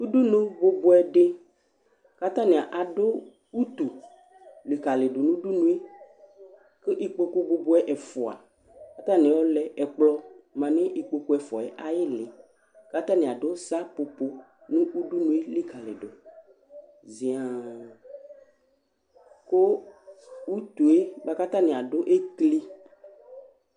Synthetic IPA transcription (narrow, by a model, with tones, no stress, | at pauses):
u˦ɖu˦nũ˦bo˦bo˦ɛ˦ɖe˦ | ka˦t̪ã˦nẽ˨a˨ʔa˨ɖo˦ | u˦t̪u˨ | li˨ka˨le˨ɖo˨nũ˦ɖu˦nũ˦e˦ | ke˦ʔi˦k͡po˦ko˦bo˦bo˦ɛ˦ʔɛ˨fɔ˨a̰˨ | ka˦t̪ã˦nĩ˨wɔ˦lɛ˨ʔɛ˨k͡plɔ˦mã˨nẽ˦ʔi˨k͡po˦ko˦ɛ˨fɔ̰˨ɛ̰˨ʔa˦je˦le˨ | ka˦t̪ã˦nĩ˨a˨ɖo˦sa˦po˨po˦ | nũ˦u˦ɖu˦nũ˦e˦li˦ka˨lḛ˨ɖo˨ | zi˨a˨ | ko˦ | wu˦t̪u˨e˦ba˦ka˦t̪ã˦nẽ˨a˨ɖo˦ʔe˦kli˦